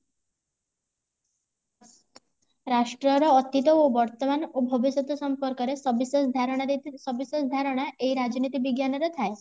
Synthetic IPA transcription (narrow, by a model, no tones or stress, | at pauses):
ɾaʃʈɾɔɾɔːt̪it̪ɔobɔɾt̪ɔmanobʱɔbisjɔt̪ɔsɔmpɔɾkɔɾesɔbisɔsd̪ʱaɾɔɽ̃asɔbisɔsd̪ʱaɾɔɽ̃aʔeiɾad͡ʒnit̪ibiɡjanɔɾɔt̪ʰae